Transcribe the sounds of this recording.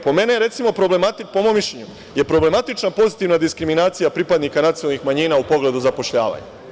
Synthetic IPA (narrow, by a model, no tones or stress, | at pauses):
po̞me̞nejɾe̞t̪simo̞pɾo̞blemat̪ipomo̞mːiʃʎeɲu | je̞pɾo̞ble̞mat̪it͡ʃnapo̞zit̪iʋnad̪iskɾiminaːt̪sijapɾipad̪nikanat̪siolnixmaɲiːnaupo̞ɡle̞d̪uzapo̞ʃʎa̰ːʋa̰ɲa̰